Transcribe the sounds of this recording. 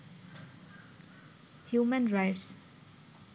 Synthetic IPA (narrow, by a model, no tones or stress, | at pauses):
hjumə̃nɹajʈs